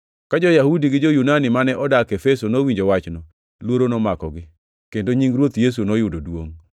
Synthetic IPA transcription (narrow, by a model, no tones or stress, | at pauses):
kad͡ʒojahudiɡɪd͡ʒojunanɪmanɛʔɔdakefesonowiɲd͡ʒowat͡ʃnɔ | lwoɾonɔmakɔɡɪ | kendoɲiŋɾwot̪jes̬unɔjʊdodwoŋ